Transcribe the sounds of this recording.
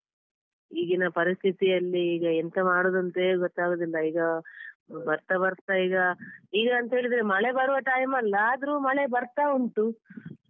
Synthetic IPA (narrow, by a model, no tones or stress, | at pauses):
iːɡinɐpɐɾist̪ʰit̪ijɐlːiːɡɐent̪ɐmaːɽoːd̪ɐnt̪eːɡɔt̪ːaːɡoːd̪ilːɐiːɡɐ | bɐɾt̪ɐbɐɾt̪ːaiːɡɐiːɡɐːnt̪ɐɦe̞ːɭid̪ɐɾemɐɭebɐɾuʋɐʈaːjmɐlːɐːd̪ɾuːmɐɭebɐɾt̪auɳʈu